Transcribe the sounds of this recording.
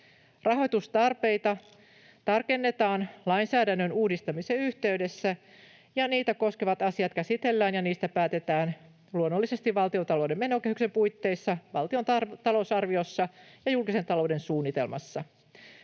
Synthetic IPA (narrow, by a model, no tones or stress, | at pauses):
rɑɦo̞jt̪ust̪ɑrpe̞jt̪ɑ | t̪ɑrke̞nːe̞t̪ɑːnlɑjnsæːdænːønuːdist̪ɑmiseyht̪e̞yde̞sːæ | jɑniːt̪æko̞ske̞ʋɑt̪ɑsiɑt̪̚kæsit̪e̞lːæːnjɑniːst̪æpæːt̪e̞t̪æːn | luonːolːise̞st̪iʋʋɑlt̪io̞t̪ɑlo̞wdeme̞no̞ke̞hykse̞mpujt̪ːe̞jsːɑʋɑlt̪io̞nt̪ɑlo̞usɑrʋio̞sːɑjɑjulkise̞nt̪ɑlo̞wde̞nsuːnːit̪e̞̰lmɑ̰sːɑ